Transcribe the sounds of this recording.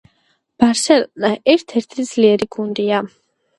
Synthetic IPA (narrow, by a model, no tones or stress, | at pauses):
b̥aɾsɛlnaʔɛɾt̪ʰɛɾt̪ʰid̪z̥liɛɾiɡund̪ia